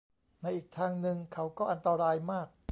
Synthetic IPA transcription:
na˧jʔiː˨˩k̚t̪ʰaː˧ŋnɯ˧ŋkʰa˦˥wkɔː˥˩ʔa˧nt̪a˧ɾaː˧jmaː˥˩k̚

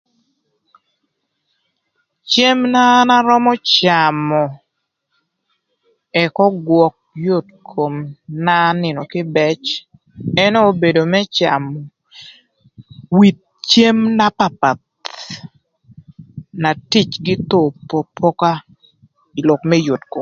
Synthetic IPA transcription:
t͡ʃe˦mna˦na˦ɾɔ˦mɔ˦t͡ʃa˨mɔ˨ | ɛ˨kɔ˦ɡwɔ˨k̚jo˦˨tkʰo˨mna˦nɪ˨nɔ˨kɪ˦bɛ˦t͡ʃ | ɛ˦no˦o˦be˨do˨mɛ˦t͡ʃa˨mɔ˨ | wi˨t̪̚t͡ʃe˦mna˦pa˨pa˨t̪̚ | na˨ti˦t͡ʃɡɪ˦t̪o˨po˨pʰɔ˦ka˦ | i˨lɔ˨kmɛ˦jo˨tko˨m

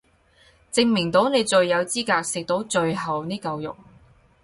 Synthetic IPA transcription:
t͡sɪ˧ŋmɪ˨˩ŋt̪o˨˥wne˨˧jt͡ʃɵ˨˧ɥjɐ˨˧wt͡siː˥kaː˧k̚sɪ˨k̚t̪o˨˥wt͡ʃɵ˧ɥɦɐ˨wniː˥kɐ˧wjʊ̰˨˩k̚

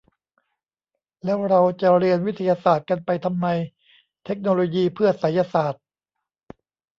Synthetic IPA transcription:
lɛː˦˥wɾa˧wt͡ɕa˨˩ɾi˧ənwi˦˥t̪ʰːa˧jaː˧saː˨˩t̪̚ka˧npa˧jt̪ʰa˧mːa˧j | t̪ʰe˦˥k̚noː˧loː˧jiː˧pʰɯ˥˩ɐsa˩˦jaː˧saː˨˩t̪̚

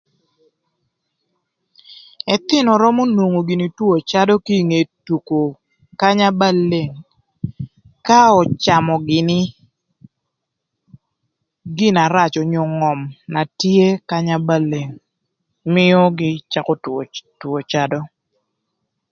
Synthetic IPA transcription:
ɛ˨t̪ɪ˦nɔ˨ɾɔ˦mo˦no˨ŋo˨ɡi˨ni˨two˨t͡ʃa˦dɔ˦ki˦˨ŋe˨tu˨ko˨ | ka˦ɲa˦ba˦lːe˨ŋ | ka˦ɔ˨t͡ʃa˨mɔ˨ɡɪ˨nɪ˦ | ɡɪ˦na˨ɾa˦˨t͡ʃɔ˨ɲo˨ŋɔ˨mna˨tje˦ka˦ɲa˦ba˦˨lːe˨ŋ | mɪ˦ɔ˦ɡɪ˦t͡ʃa˦kɔ˦two˨t͡ʃa˦dɔ˦

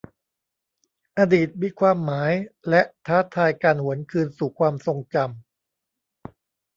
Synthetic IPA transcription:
ʔaː˧diː˨˩t̪̚wi˦˥kʰwaː˧mːaː˩˦jlɛ˦˥ʔt̪ʰaː˦˥t̪ʰaː˧jkaː˧nhu˩˦ənkʰɯː˧nsuː˨˩kʰwaː˧mso˧ŋt͡ɕa˧m

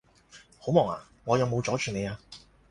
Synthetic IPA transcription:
ho˨˥wmɔː˨˩ŋa̰ː˨˩ | ŋɔː˨˧jɐ˨˧wmo˨˧wt͡ʃɔː˨˥t͡ʃʰyː˨˩ne˨˧jaː˧

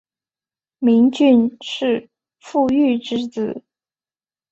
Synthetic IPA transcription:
mi˧˥ŋt͡ɕy˥˧nʂɻ̩˥˧ | fu˥˧y˥˩ʈ͡ʂɻ̩˥t͡sɹ̩˨˩˦

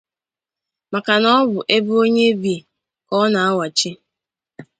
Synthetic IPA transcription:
ma˨ka˨nɔ˦bʊ˨ʔe˦bʊ˦o˦ɲe˦bi˨ | kɔ˦na˨a˦wa˨t͡ʃi˦

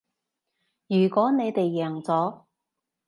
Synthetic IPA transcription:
jyː˨˩kʷɔː˨˥ne˨˧jt̪e˨jːɛː˨˩ŋt͡sɔː˨˥

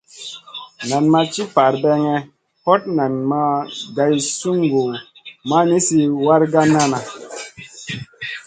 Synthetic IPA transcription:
na˨nma˧t͡ʃi˦pa˨ɾbɛ˧ŋɛ˧ | hɔ˦t̚na˨nma˧ɡa˧jsu˦ŋɡu˨ | ma˦ni˦si˧wa˦ɾɡa˦na˦na˨

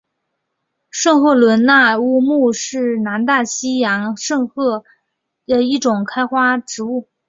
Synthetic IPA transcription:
ʂɤ˥˧ŋxwɔ˥˩lwə˧˥nna˥˧u˥˧mu˥˧ʂɻ̩˥˩na˧˥nt̪a˥˩ɕi˥jɑ˧˥ŋʂɤ˥˧ŋxɤ˥˩ | d̪ə˨i˥˩ʈ͡ʂʊ˨˩ŋkʰa˥ɪxwa˥ʈ͡ʂɻ̩˧˥u˥˩

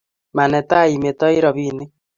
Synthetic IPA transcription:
ma˨nɛ˨ta˦˨i˨me˨tɔ˦i˦ɾɔ˨βi˦ne˦

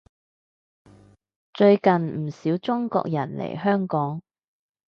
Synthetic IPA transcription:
t͡ʃɵ˧ɥkɐ˨nm̩˨˩siː˨˥wt͡sʊ˥ŋkɔ̰ː˧k̚jɐ̰˨˩nlḛ˨˩jɦœː˥ŋkɔː˨˥ŋ

